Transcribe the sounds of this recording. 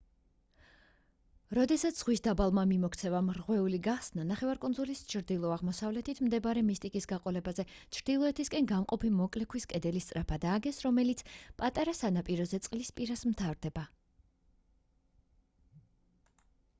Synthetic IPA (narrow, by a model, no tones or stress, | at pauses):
ɾɔd̪ɛsat̪sʰz̥ʁwisd̪abalˠmamimɔkʰt̪sʰɛvamɾʁwɛuliɡaχsnanaχɛvaɾkʼund̪zulist͡ʃʰɾd̪ilˠɔaʁmɔsavlɛt̪ʰit̪ʰmd̪ɛbaɾɛmist̪ʼikʼisɡaqʼɔlɛbazɛt͡ʃʰɾd̪̥ilˠɔɛt̪ʰiskʼɛnɡamqʼɔpʰimɔkʼlɛkʰwiskʼɛd̪ɛlist̪sʼɾapʰad̪aːɡɛsɾɔmɛlit̪sʰpʼat̪ʼaɾasanapʼiɾɔzɛt̪sʼqʼlispʼiɾasmt̪ʰavɾd̪ɛba